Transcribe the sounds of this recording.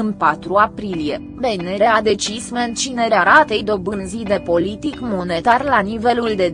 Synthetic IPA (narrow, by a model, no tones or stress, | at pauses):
ɨnpat̪ɾuapɾilie̞ | beneɾead̪e̞t͡ʃisment͡ʃineɾeaɾat̪ejd̪o̞bɨnzid̪e̞po̞lit̪ikmo̞ne̞t̪arlanive̞luld̪e̞